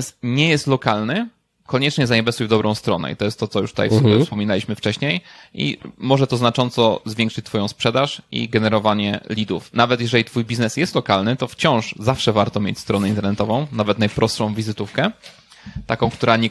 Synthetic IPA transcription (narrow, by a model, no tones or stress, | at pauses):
sɲɛjɛst̪lɔkalnɘ | kɔɲɛt͡ʂɲɛzaɲɛbɛst̪ujvd̪ɔbɾɔ̃w̃st̪ɾɔnɛ̰it̪ɔjɛst̪ːɔtsɔjṵt̪ut̪a̰jffsbʲɛfspɔmʲinalʲiɕmɘft͡ʂɛɕɲejʔḭmɔʐɛt̪ɔznat͡ʂɔ̃nt̪sɔzvʲjɛ̃ŋkʂɘt͡ɕ̚t̪fɔjɔ̃w̃spʂɛd̪aʂʔḭɡɛnɛɾɔvaɲɛlʲid̪ufnavɛt̪jɛʐɛlʲit̪fujbʲiznɛsjɛst̪lɔkalnɘt̪ɔft͡ɕɔ̃w̃ʂzafʂɛvaɾt̪ɔmʲjḛt͡ɕʲst̪ɾɔnɛint̪ɛɾnɛt̪ɔvɔ̃w̃navɛt̪najpɾʔɔst̪ʂɔ̃w̃vʲizɘt̪ufkɛ | t̪akɔ̃w̃kt̪uɾaɲɛ